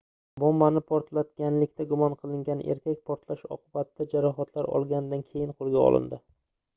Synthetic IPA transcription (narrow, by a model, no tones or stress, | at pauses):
bɒmːanɪpʰɒɾt̪lat̪ɡʲanlɪkʲt̪ʰaɡʊmɒnqʰɨlˠɪŋɡʲanʔḛɾkʲakʲpʰɒɾt̪laʃɒ̰qʰʊbat̪ʰɪd̪̥ad͡ʒaɾɒɦat̪ʰlaɾɒ̰lˠɡʲanɪd̪ankʲʰe̞jɪnqʰoɾˠɡʲaɒ̰lˠɪ̰nd̪ɪ